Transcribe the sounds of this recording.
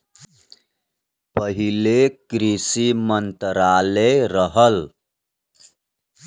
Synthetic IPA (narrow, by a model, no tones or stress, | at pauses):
pəɦilekɾisimənt̪ɾaleɾəɦəl